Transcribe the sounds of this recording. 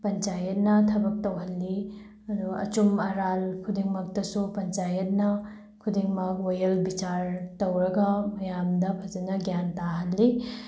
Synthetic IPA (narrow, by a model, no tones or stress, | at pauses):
pɐnt͡ʃajɐt̚nɐtʰɐbɐk̚towɦɐlːi | ɐduɐ̰t͡ʃumɐɾalkʰudiŋmɐk̚tɐsupɐnt͡ʃajɐt̚nɐ | kʰudiŋmɐk̚ojɐlbit͡ʃaɾtowɾɐɡɐmɐjamdɐpʰɐd͡ʒɐnɐɡjantaɦɐlːi